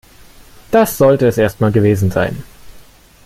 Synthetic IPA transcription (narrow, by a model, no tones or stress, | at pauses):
d̥asz̥ɔltəɛsʔeːɐst̚maːlɡəveːzn̩za̰ɪn